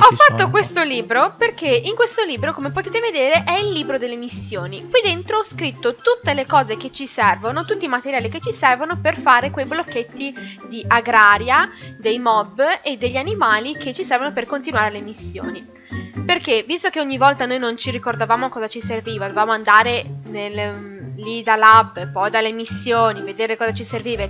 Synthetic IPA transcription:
ɔfːat̪ːokwest̪oliːbɾoperk̟eiŋkwest̪oliːbɾokomepot̪eːt̪eved̪eːɾeʔɛilːiːbɾod̪elːemisːjoːnikwid̪ent̪ɾoɔskɾit̪ːot̪ut̪ːelekɔːzeket͡ʃːisɛrvonot̪ut̪ːimat̪eɾjaːliket͡ʃːisɛrvonoperfaːɾekwejblokːet̪ːid̪iʔaɡɾaːɾjad̪ejmɔbːed̪ːeʎːanimaːlik̟et͡ʃːisɛrvonoperkont̪inuwaːɾelemisːjo̰ːni | perkevist̪ok̟eoɲːivɔlt̪anojnont͡ʃirikord̪avaːmokɔːzat͡ʃiserviːvad̪ovaːmoand̪aːɾenellid̪alabpɔjd̪alːemisːjoːnived̪eːɾekɔːzat͡ʃiserviːva

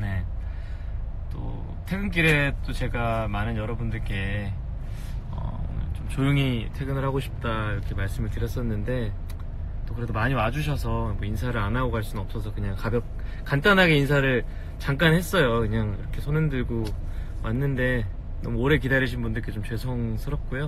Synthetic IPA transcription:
ne̞ | t͈o̰ | tʰe̞ɡɯnk͈iɾe̞t͈ot͡ɕe̞ɡamanɯnjʌɾʌbundɯɭk͈e̞ | ʌ̰t͡ɕomt͡ɕojuŋitʰe̞ɡɯnɯɭɦhaɡoɕʰi̥p̚t͈aiɾʌkʰe̞maɭs͈ɯmɯɭtɯɾjʌs͈ʌnːɯnde̞ | t͈okɯɾe̞domaɲiwad͡ʑuɕ̬ʰʌsʰʌmoins̬ʰaɾɯɭanaɡoɡaɭs͈unɯnʌp̚s͈ʌsʰʌkɯɲaŋkabjʌk̚ | kant͈anɦaɡe̞insʰaɾɯɭ | t͡ɕaŋk͈anɦe̞s͈ʌjokɯɲaŋḭɾʌkʰe̞sʰonɯndɯɭɡo | manːɯnde̞ | nʌmuoɾe̞k̬idaɾiɕʰinbundɯɭk͈e̞t͡ɕomt͡ɕwe̞sʰʌŋsʰɯɾʌp̚k͈ujo

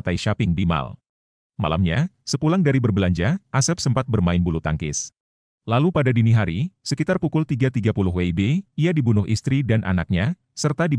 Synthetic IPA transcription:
t̪aiʃapɪŋdima̰l | ma̰la̰mɲasəpulaŋdaɾibərbəlaɲd͡ʒaʔasɛp̚səmpat̪̚bərmaɪnbulut̪a̰ŋkɪ̰s | lalupadadiniɦaɾisəkit̪arpukʊlt̪iɡat̪iɡapulʊɦweibeiadibunʊɦʔḭst̪ɾidanʔa̰nak̚ɲa | sərt̪adi

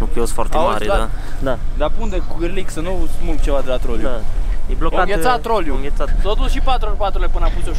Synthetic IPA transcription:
upiosfoa̰ɾt̪eamaɾaad̪ad̪apund̪ekɡɨɾliksənuausmut̪̚t͡ʃe̞vad̪elat̪ɾoljuebloaŋɡet̪sat̪ɾoljuŋɡʲet̪sat̪t̪ot̪ulʃipat̪ɾupat̪ɾulepɨnapusʲo

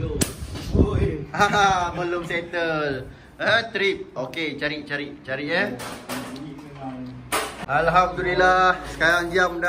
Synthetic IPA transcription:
aməlʊmset̪əl | əɦə̃t̪ɾip̚oket͡ʃaɾiʔt͡ʃaɾiʔt͡ʃaɾiʔɛ | alɦamd̪ulilahsə̥kajaŋd͡ʒiamda

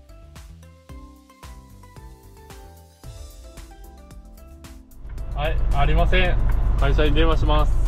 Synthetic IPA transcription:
haiaɾʲimasẽŋkaiɕaɲid̪emaɕimas

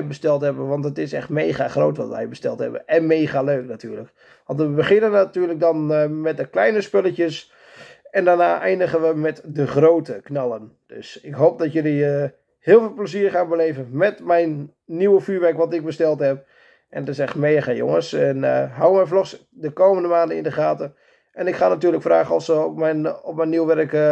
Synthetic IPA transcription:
jbəstɛlˠthɛbənʋɑntətɪsɛ̰xtmeːɣaχrowtʋɔ̰tʋɛ̰jbəstɛ̰lˠthɛ̰bə̰ɛnmeːɣaløːknatyːlək | ʋɑntʋəbəχɪnənatyːlək̚dɔnmɛt̚dəklɛjnəspøləcjəs | ɛndarnaːʔɛjndəɣənʋəmɛtdəχrowtəknɑlˠənd̥ø̰sɪkɦoːp̚dɔtjøli | hɪːlˠfɪːlˠpləsiːrχaːnbəleːvənmɛtmɛjnː | iwəfyːʋɛrkʋɔtɪk̚bəstɛlˠthɛp̚ | ʔɛnɔtɪsɛxtmeːəχəjo̰ŋəsɛnɦawmɛjflɔxs | dəkowməndəmaːndənɪ̰ndəχaːtə | ɛnɪkχaːnatyːrləkfraːɣəɔfsəɔpmɛjniwʋɛrk

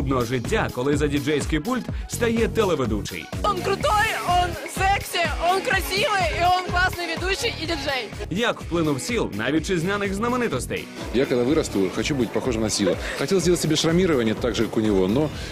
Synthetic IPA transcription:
b̪nɔɦɔʐɪtʲːakɔlˠɪzɐdʲɪd͡ʒɛjsʲkɪjpulʲt̪st̪ɐjɛt̪ɛlˠɛʋed̪ut͡ʃɪ̰jonkɾʊt̪ojonsɛksʲɪonkɾɐsʲiʋɪjionklˠasnɨjʋʲɪd̪uɕːɪjɪdʲɪʐɛjjɐkwplˠɪnʊwsʲilˠna̰ʋʲit̚ʲt͡ʃɪzʲnʲanɪxznɐmenɪt̪ɔst̪ɛ̰j | jakɐɡd̪aʋɨɾɐst̪uxɐt͡ɕubɨɪt̚ʲpɐxoʐɨmnɐsʲilˠəxɐtʲelˠzʲelˠətʲːɪbʲeʂɾɐmʲiɾəʋənʲɪɛt̪aɡʐɨkakʊnʲɪʋono

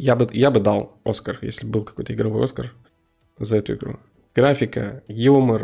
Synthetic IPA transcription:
jabɨjabɨd̪ɑlˠo̞̰skərjḛsʲlʲɪbbɨlˠkɐkojt̪əɪɡɾɐvo̞jo̞skər | zɐɛt̪ʊɪ̰ɡɾṵ | ɡ̥ɾafʲɪkə̰jumər

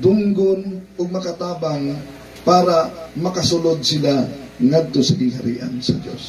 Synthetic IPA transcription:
d̪ʊŋɡonʊɡ̚mɐkɐt̪aːbaŋ | paːɾɐmɐkɐsʊlod̪̚sɪla | ŋad̪̚t̪osɐɡɪŋhɐɾḭːʔa̰nsɐ̰d̪jo̰s

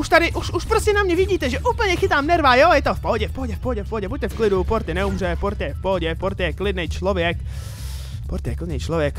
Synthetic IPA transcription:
uʃt̪adɪʔuʃuʃpɾo̞scɛnamɲɛvɪɟiːt̪ɛʒɛʔuːpl̩ɲɛxɪt̪aːmnɛɾvaːjojɛt̪ofpoɦoɟɛfpoɦoɟɛfpoɦoɟɛfpoɦoɟɛbuc̚t̪ɛfklɪdupoɾt̪ɪnɛumr̝ɛpoɾt̪ɪjɛfpoɦoɟɛfpoɾt̪ɪjɛklɪdnejt͡ʃlo̞vjɛk | poɾt̪ɪjɛklɪdnɛjt͡ʃlovjɛk

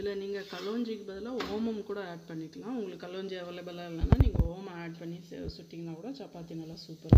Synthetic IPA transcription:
ɪlːɐniːŋɡɐkɐloːɲd͡ʒikːbɐðɪlɐoːmɐmkuːɽɐaːʈ̚pɐɳːɪʈːɯŋɡaʊŋɡɐɭɯkːɐloːɲd͡ʒɐʋɐlɐbɐlaːɪlːɐnːaːniːŋɡɐoːmɐaːɖ̚pɐɳːḭsʊʈːiŋnd̪aːkuːɽɐt͡ʃɐpːaːt̪ːiːŋɡɐlːãːsuːpɐɾ

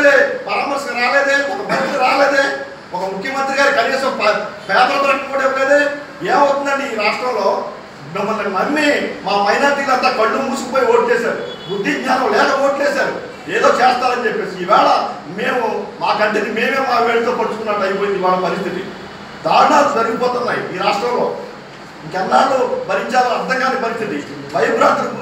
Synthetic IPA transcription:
d̪eːpɐɾaːmɐɾsɐɡɾaːleːd̪eːɔkɐbɐnɐlɐɾaːleːd̪eː | ɔkɐmukʰjɐmɐnt̪ɾiɡaːɾikɐneːsɐmpɐpɛːt̪ɐːt̪ɾɐʈikikoːɽeʋɐlɐːd̪eː | eːmɐwt̪und̪ɐːniːɾaːʂʈɾɐmlo̞ː | mimːɐlːɐnɐmːimaːpɐjnaːt̪ikɐlɐnt̪aːkɐɳːumuːsukɐpoːjioːʈit͡ʃɛːsaːɾubud̪ʱːiɡɲaːnɐmlɛːk̪ɐoːʈt͡ʃɛːsaːɾu | eːd̪o̞ːt͡ʃɛːst̪aːlɐnt͡ʃepːe̞ːsiːʋɛːɭɐ | meːmumaːkɐɳʈenimeːmeːmːaːʋeːɽit̪o̞ːpɐɽut͡ʃu̥kunːaːʈɐjipoːjind̪iʋaːɭɐpɐɾist̪ʰit̪i | d̪aːnaːkud͡ʒɐɾiɡipɔːt̪unːaːjḭiːɾaːʂʈɾɐmlo̞ː | iŋkɛnːaːlobɐɾiɲt͡ʃaːlɐnɐɾd̪ʱɐŋɡaːnikpɐɾist̪ʰit̪iʋɐjbɾaːnt̪ɾɐ

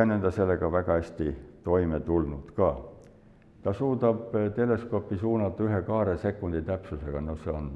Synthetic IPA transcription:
ænend̪̥ɑse̞lːe̞ɡ̥ɑvæɡ̥ɑæsʲt̪it̪o̞jme̞t̪ulnud̪̥kɑː | t̪ɑsuːd̪ɑb̥t̪e̞le̞sko̞pːˑisuːnɑt̪ːˑɑyɦe̞kɑːɾese̞kːˑund̪̥it̪æpsuse̞ɡ̥ɑno̞hse̞o̞n

